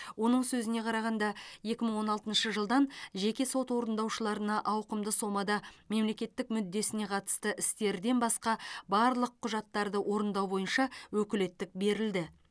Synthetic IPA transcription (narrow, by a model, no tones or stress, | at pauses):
wo̞nəɴsɵzɪne̞qʰɑɾɑʁɑnd̪ɑje̞kʲɪməɴwo̞nɑlˠt̪ənʃəʒəlˠd̪ɑnʒe̞kʲe̞so̞t̪wo̞ɾənd̪ɑwʃəlˠɑɾənɑʔɑwqəmd̪əso̞mɑd̪ɑme̞mle̞kʲe̞t̪ːɪkmʏd̪ːe̞sɪne̞qʰɑt̪ə̥st̪əʔɪst̪e̞ɾd̪e̞nbɑsqɑbɑɾlˠəqʰːʊʒɑt̪ːɑɾd̪əwo̞ɾənd̪ɑwbo̞jənʃɑwɵkʲɪle̞t̪ːɪk̚be̞ɾɪld̪ɪ